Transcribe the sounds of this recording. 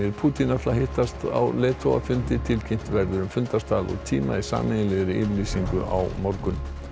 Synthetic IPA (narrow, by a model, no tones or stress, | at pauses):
ɪɾpʰuːt̪inaflaɦeht̪ast̪a̰wlɛːt̪ʰowa̰fʏnt̪ɪt̪ʰɪlcʰejm̥t̪vɛɾðʏɾʏmfʏnt̪ast̪aːlɔ̰ɣt̪ʰiːma̰isa̰ːmɪjɪlɪɣɾɪɪvliːsiŋkʏʔa̰wmɔɾkʏn